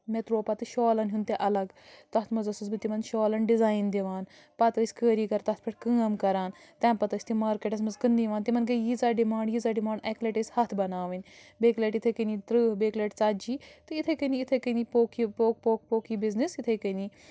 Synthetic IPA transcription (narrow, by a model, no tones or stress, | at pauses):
met̪ɾoːpɐt̪ɨʃoːlɐnɦunt̪eʔɐlɐɡt̪ɐt̪ʰmɐzɐsɨsbɨt̪imɐnʃɔːlɐnɖizaːjnd̪iʋaːn | pɐt̪ɐsʲkəːɾiːkɐɾt̪ɐt̪̚ʰpʰɐʈʰʲkɨ̃ːɐmkɐɾaːn | t̪ɛ̃ːmpɐt̪ɐsʲt̪imaːɾkeʈɐs̬mɐzkɨnd̪iːʋaːnt̪imɐnkɐjizaːɖimaːɳɖjizaːɖimaːɳɖekleʈɐshɐt̪ʰbɐnaːʋɐnʲbeːkleʈit̪ʰɐkənit̪ɾɨːbeːkleʈt͡saːd͡ʒiːt̪ɨit̪ʰɐkəniit̪ʰɐkənipoːkipoːkpoːk̚poːkiːbiznisit̪ʰɐjkəniː